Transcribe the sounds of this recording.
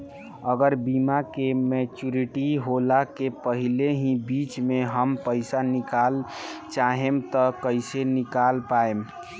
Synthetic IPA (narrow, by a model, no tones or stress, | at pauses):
əɡəɾbimakemɛt͡ʃuɾiʈiɦolakepəɦileɦĩbit͡ʃmeɦəmpəɪsanikalt͡ʃaɦemt̪ɔkəɪsenikalpaem